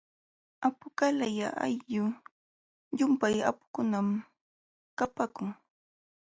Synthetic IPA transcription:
apʊkalajaʔa̰jʎʊ | jʊmpaja̰pʊ̥kʊnam | kapakʊŋ

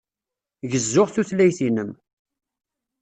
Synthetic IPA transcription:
ʝəzːʊʁθuθlæjθinəm

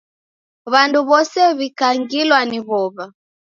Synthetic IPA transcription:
βanduβɔsɛβikaŋɡilwaniβɔβa

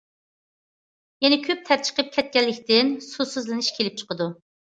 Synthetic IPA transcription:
jɛnɛkʲʰøp̚t̪ʰæɾt͡ʃʰə̥qəp̚kʲʰɛt̪̚kʲɛlːɪkʲt̪ɪnsusɨzlɨnɨʃkʲʰelɪp̚t͡ʃʰə̥qəd̪u

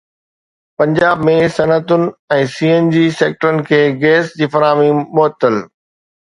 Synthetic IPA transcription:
pɐ̃ɲd͡ʑaːbmẽsɐnət̪ʊnɪ̆ɛ̃ːsiːeːnd͡ʑiːseːk̚ʈəɾənɪ̆kʰeːɡeːsd͡ʑiːfɐɾaːmĩmʊɦət̪ːəl

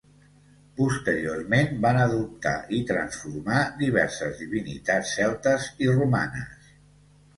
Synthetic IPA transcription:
pust̪əɾioɾmenbanəðup̚t̪a̰ʔit̪ɾənsfuɾmad̪iβ̞ɛɾsəzðiβ̞inḭt̪at͡ssːɛlˠt̪əziruma̰nə̰s

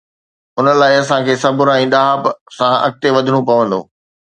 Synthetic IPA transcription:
ʊnəlaːɪɐsãkʰeːsɐbʱʊɾɛ̃ːɗ̪aːpsãɐ̰k̚t̪eʋɐd̪ʱɪɽ̃ũpɐʋə̃nd̪o̰ː

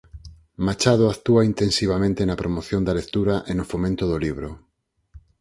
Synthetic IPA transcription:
mat͡ʃaðoakt̪uaint̪ẽnsiβamẽnt̪enapɾomoθjond̪alek̚t̪uɾaʔenʊfomẽnt̪oðoliβ̞ɾo

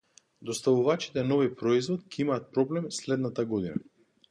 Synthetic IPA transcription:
d̪ɔst̪avuvat͡ʃi̥t̪ɛnɔvipɾɔizvɔt̪̚cɛimaːt̪̚pɾɔblɛmslɛd̪nat̪aɡɔd̪ina̰

